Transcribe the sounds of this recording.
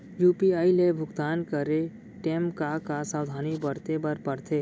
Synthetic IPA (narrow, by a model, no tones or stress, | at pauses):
juːpiaːilebʱʊɡt̪aːnkəɾe | ʈeːmkakasaːwd̪ʱaːnibəɾt̪ebəɾpəɾt̪ʰeː